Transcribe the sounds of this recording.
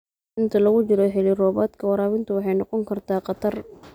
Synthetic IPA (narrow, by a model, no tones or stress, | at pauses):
ʔɪnt̪ʰɐlɐɣʊt͡ʃɪɾɔħɪliːɾɔːβaːd̪kʰɐwɑɾaːwɪnt̪ʰɐwɑħɑjnɔqɔŋkʰɐrt̪ʰaːqɑt̪ʰɐr